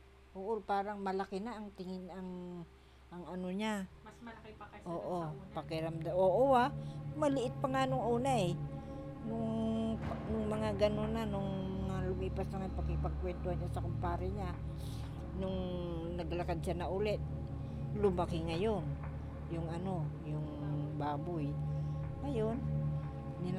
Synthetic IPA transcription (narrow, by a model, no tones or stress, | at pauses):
ʔoːʔopaːɾɐŋmɐlakɪnaːŋt̪ɪŋɪnɐŋ | ʔɐŋɐnoɲa | ʔoːʔopɐkɪɾamd̪aoʔowamɐlɪʔɪt̪̚pɐŋanʊŋʔuːnaɛ | nʊŋ | nʊŋmɐŋaɡɐnonanʊŋmɐŋalumiːpasnaŋanpɐkɪpɐɡ̚kwɛnt̪ohaɲɲasɐkʊmpaːɾɪɲa | nʊŋ | nɐɡlakad̪̚ʃanɐʔʊlɛt̪̚ | lʊmakɪŋɐjon | jʊŋɐno̞jʊŋ | baːbʊjŋɐjon | ni